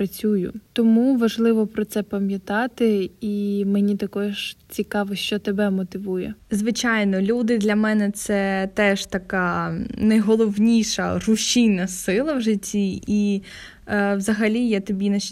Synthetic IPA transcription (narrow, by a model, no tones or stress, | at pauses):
ɐt͡sʲujʊ̰t̪ɔmuʋɐʒlˠɪʋɔpɾɔt̪sɛpɐmʲjɐt̪ɑt̪ɪimenʲit̪ɐkɔʒt͡sʲikɑʋɔʃt͡ʃɔt̪ebɛmɔt̪ɪʋujɛzʋɪt͡ʃɑjnɔlʲud̪ɪd̪lʲɐmɛnɛt̪sɛt̪ɛʒ̥t̪ɐkɑnɐjɦɔlˠɔwnʲijʃɐ̰rʊʃijnɐsɪlˠɐwʒɪtʲːiʔi | wzɐɦɐlʲijat̪ɔbʲinɐ